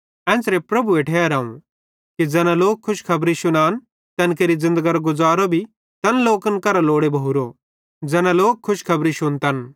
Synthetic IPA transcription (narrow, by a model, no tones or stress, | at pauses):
ɛ̃ːsɾepɾɐbueːʈʰeːɾaːṵ̃ | kid͡zɛːnãloːkʰːʊʃkʰɐbɾiʃʊnaːn | t̪ɛ̃ːnkeːɾid͡zɪ̃nd̪əɡaɾɡʊd͡zaːɾobʱi | t̪ɐnloːkənkɐɾaloːɽebʱɐɦuɾo | d͡zɛːnãloːkʰːʊʃkʰɐbɾiʃʊnt̪ɐn